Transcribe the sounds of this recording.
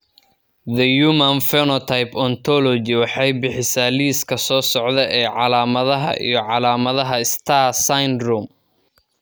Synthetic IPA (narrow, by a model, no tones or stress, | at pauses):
ðɐjuːmɐnfɛnɔt̪ʰajpʰɔnt̪ʰɔlɔd͡ʒɪwɑħɑjbɪħɪsaːliːskʰɐsɔːsɔʕd̪ɛʔɛːʕɑlaːmɐðɐɦɐ̰ʔḭjɞʕɑlaːmɐðɐɦɐɪst̪ʰasajnrum